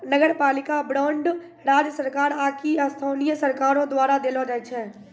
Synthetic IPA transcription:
nəɡəɾpaːlɪkabɾɔːɳɖ | ɾaːd͡ʒəsəɾkaːɾaːkiəst̪ʰaːnijəsəɾkaːɾõd̪waːɾad̪elod͡ʒaɛt͡ʃʰɛː

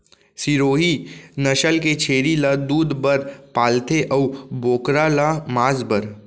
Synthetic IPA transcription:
siɾoːɦinɐʃəlket͡ʃʰeːɾilad̪uːd̪bəɾpaːlt̪ʰeʔəboːkɾalamaːzbəɾ

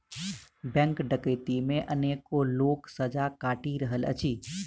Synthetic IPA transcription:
bɛ̃ːŋkɖəkəɪt̪imẽʔɐneːkːoloːksəd͡ʒakaːʈiɾəɦələ̰t͡ʃʰiː

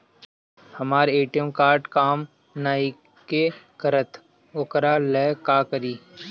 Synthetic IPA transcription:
hɐmaːɾeːʈijəmkaːɾʈkaːm | naːi | kekəɾət̪ | ʊkɾalɛːkaːkəɾiː

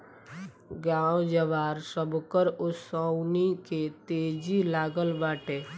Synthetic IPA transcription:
ɡãːwd͡ʒəʋaːɾsəbkəɾʊsawniket̪eːd͡ʒilaːɡəlʋaːʈeː

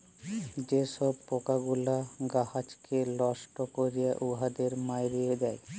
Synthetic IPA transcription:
d͡ʑeʃɔb̚pokaɡulaɡahat͡ʃkelɔʃʈokoɾijaʔuɦad̪eɾmajɾijed̪ɛe

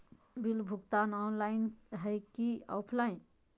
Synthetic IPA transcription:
bilbʱuɡt̪anɔnlaɪnɦəjkiɔ̰pʰlain

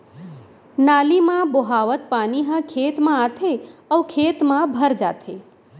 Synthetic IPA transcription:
nalimãboɦaʋət̪̚paːniɦə̃kʰet̪mãat̪ʰeəwkʰeːt̪mãbʱəɾd͡ʒa̰t̪ʰe

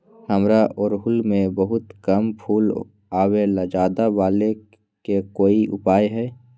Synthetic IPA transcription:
həmɾaʔɔɾɦʊlmẽbəɦʊt̪kəmpʰuːl | aːweləd͡ʒaːd̪abaːle | kekoːiʔʊ̰paːjɦɛː

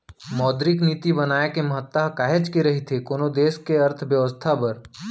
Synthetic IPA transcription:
mɔːd̪ɾɪkniːt̪ibɐnaːekemɐɦət̪ːaɦkaːɦet͡ʃkiɾɐɦit̪ʰekoːnod̪eːskeɐɾt̪ʰʋjəʋəst̪ʰapɐɾ

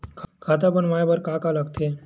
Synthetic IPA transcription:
kʰkʰat̪abəɳmajbəɾkakalaɡt̪e

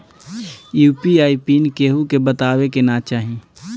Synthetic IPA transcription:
juːpiaːipinkeːɦukebət̪aːwekenat͡ʃaːɦĩ

